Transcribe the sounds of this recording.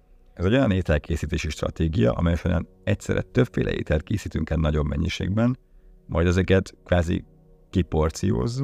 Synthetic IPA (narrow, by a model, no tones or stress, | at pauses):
ɛzɛɟo̞jɒneːt̪ɛlkʰeːsiːt̪eːʃiʃt̪rɒ̰t̪eːɡijɒ̰ʔɒ̰mɛjɒʃoɾaːn | ɛcsɛɾɛ̰t̪øpfeːlʔɛ̰ʔḛːt̪ɛlt̪̚keːsiːt̪yŋkɛt̪nɒɟo̞bmɛ̰ɲːiʃḛːɡ̚bɛn | mɒjd̪ɛzɛkɛt̪kʋaːzḭ | kipo̞rt̪sijo̰ːzː